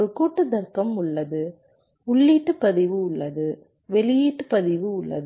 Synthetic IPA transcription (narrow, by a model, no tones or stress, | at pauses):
ɯkuːʈːɯd̪ɐɾkɐmʊɭːɐðɯ | ʊɭːiːʈːɯpɐðɪʋɯʊɭːɐðɯ | ʋɛlɪjiːʈːɯpɐðɪʋɯʊɭːɐ̰ðɯ